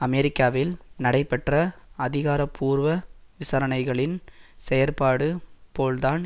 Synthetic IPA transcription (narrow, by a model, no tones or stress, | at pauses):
ɐmɛɾɪkːaːʋɪlnɐɽɐɪpːɛʈrɐɐðɪɣaːɾɐpʰːuːɾʋɐʋɪsaɾɐnɐɪɣɐɭɪnsɛjɐɾpaːɽɯpoːld̪aːn